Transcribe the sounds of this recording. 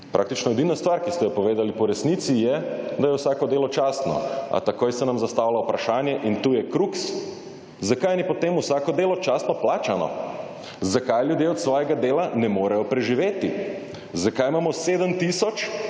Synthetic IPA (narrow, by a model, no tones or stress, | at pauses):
pɾʔak̚t̪it͡ʃnɔɛd̪inast̪ʋaɾkist̪ɛjɔpɔʋeːd̪alipɔɾɛsnit̪sijɛd̪ajɛwsakɔd̪eːlɔt͡ʃaːst̪nɔ̰a̰t̪akojsɛnamzast̪aːwlaupɾaʃaːnjɛʔint̪uːjɛkɾuks | zakajniɛpɔt̪eːmusaːkɔd̪eːlɔt͡ʃaːst̪nɔplaːt͡ʃanɔ̰ | zakajljud̪jeɔt̪sʋɔːjɛɡad̪eːlanɛmoːɾajɔpɾɛʒiʋeːt̪i | zakajmaːmɔseːd̪əmt̪isɔt͡ʃ